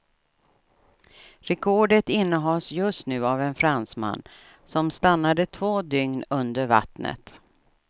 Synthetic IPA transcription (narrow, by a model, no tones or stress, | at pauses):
ɾɛkʰɔɖət̪ɪnːəɦɑlsjɵst̪nʉ̟ːavɛnfɾansma̰nː | sɔmst̪anːad̪ət̪ʰvoːd̪ʏŋnɵnd̪əɾva̰t̪nə̰t̪